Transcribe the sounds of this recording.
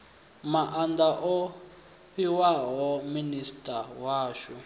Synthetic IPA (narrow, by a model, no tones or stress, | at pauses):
maʔandaʔɔ | ɸiwaɦɔministʼawaːʃɔ